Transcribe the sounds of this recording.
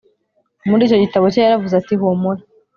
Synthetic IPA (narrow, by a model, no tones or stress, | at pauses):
muɾiːco̞ɟitaβocejaɾavuzatiɦomuɾe